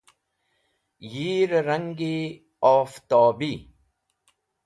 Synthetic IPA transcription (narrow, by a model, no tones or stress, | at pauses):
jiːɾɾɐŋɡi | ɔːft̪ɔːbiː